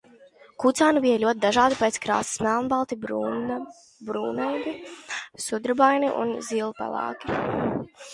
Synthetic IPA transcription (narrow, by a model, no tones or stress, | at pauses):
kut̪saːnubijɛlʲuɔt̪̚ʲd̪aʒaːd̪ipet̪skɾa̰ːsi̥smʲælˠnbalˠt̪i | bɾuːnɛjd̪isud̪ɾbajniʔṵnziːlˠupa̰lˠa̰ːki̥